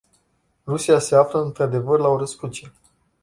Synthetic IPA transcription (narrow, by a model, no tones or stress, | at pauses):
rusijase̞afləɨnt̪ɾad̪e̞vərlaoɾəskut͡ʃie